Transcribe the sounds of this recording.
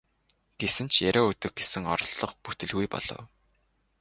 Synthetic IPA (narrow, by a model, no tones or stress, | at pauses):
ɡ̥esɘ̆nt͡ɕʰjæɾʲoːɵt̪ɵ̆ɡ̚ɡesɘ̆ŋɔ̰ɾɞ̆ɮːɞ̆χput̪ɘ̆ɮɣujpɔ̰ɮ̥ɞ̰̆w